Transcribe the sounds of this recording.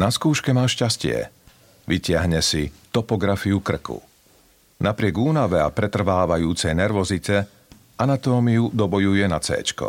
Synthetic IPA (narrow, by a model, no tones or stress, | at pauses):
naskuːʃkɛmaːʃcascɪɛ̰ | ʋicɪaɦɲɛsit̪ɔpɔɡɾafiukr̩kṵ | napɾɪɛɡuːnaʋɛa̰pɾɛt̪r̩ʋaːʋajuːt͡sɛjnɛɾʋɔzitɛ | anat̪ɔːmiud̪ɔbɔjujɛnat͡sɛ̰ːt͡ʃkɔ̰